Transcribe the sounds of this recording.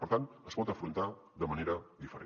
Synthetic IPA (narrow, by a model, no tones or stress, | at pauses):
pəɾt̪anəspɔt̪əfɾunt̪aðəməneɾəðifəɾe